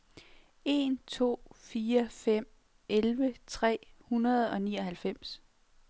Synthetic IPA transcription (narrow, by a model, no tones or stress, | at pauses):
e̝nt͡sʰo̝̰ːfiːɐfem̰ | ʔelʋət͡sʰʁɛ̰ːhunɐð̞̩ˠɒ̽niːɒ̽ɦælfem̰s